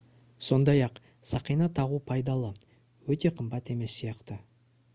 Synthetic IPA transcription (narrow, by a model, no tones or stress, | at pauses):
so̞nd̪ɑjɑq | sɑqijnɑt̪ʰɑʁupʰɑjd̪ɑlˠə | wɵt̪e̞qʰəmbɑt̪e̞me̞sːijɑqt̪ə